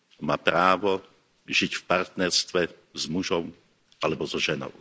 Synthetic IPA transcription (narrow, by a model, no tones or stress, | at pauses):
maːpɾaːʋɔ | ʒicfpaɾt̪nɛɾst̪ʋɛ | zmuʒɔm | alɛbɔzɔʒɛnɔ̰ʊ